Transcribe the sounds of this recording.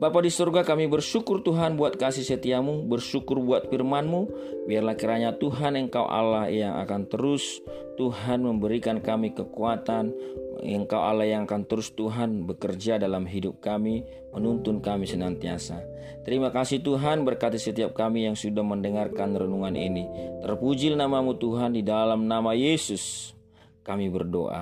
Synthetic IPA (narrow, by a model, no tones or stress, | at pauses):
bapadisurɡakamibərʃukʊrt̪uɦanbuat̪̚kasihsət̪iamubərsukʊrbuat̪̚firmanmu | biarlahkiɾaɲat̪uɦanəŋkawʔa̰lahjaŋʔa̰kant̪əɾʊs | t̪uɦanməmbəɾikankamikəkuat̪anə̰ŋkawʔa̰lahjaŋakant̪əɾʊst̪uɦanbəkərd͡ʒadalamɦidʊp̚kami | mənunt̪ʊnkamisənant̪ia̰sa | t̪əɾimakasit̪uɦanbərkat̪isət̪iap̚kamijaŋsudahməndəŋarkanrənuŋanʔḭnit̪ərpud͡ʒɪlnamamut̪uɦandidalamnamajesʊs | kamibərdo̰ʔa̰